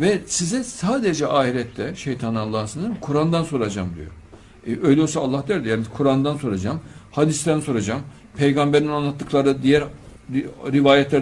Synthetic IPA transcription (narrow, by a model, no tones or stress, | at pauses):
vɛsizɛsaːd̪ed͡ʒɛʔaːɦiɾɛt̪ʰːɛʃejt̪ʰanɯalˠːaːsɯnɯzkʰuɾand̪anso̞ɾad͡ʒa̰md̪ḭjo̰ | øjlʲɛjosaːlˠːahd̪æɾd̪jaːnikʰuɾand̪anso̞ɾad͡ʒamhad̪ist̪ænso̞ɾad͡ʒam | pʰejɡambeɾinanlˠat̪ʰːɯklˠaɾɯd̪ijæɾ | ɾivaːjɛt̪lʲæɾ